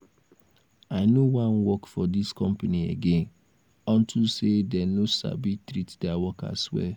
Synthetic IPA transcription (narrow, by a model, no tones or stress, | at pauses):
aɪnowãnwɔkfɔdiskɔ̃mpaniḛɡẽn | ɔ̃ntʰusedɛnosa̰bitɾitdɛawɔka̰swɛ̰